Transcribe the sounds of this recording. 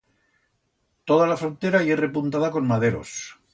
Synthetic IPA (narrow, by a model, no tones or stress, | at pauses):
t̪o̞ð̞alafɾo̞nt̪e̞ɾaiere̞punt̪aðako̞nmaðe̞ɾo̰s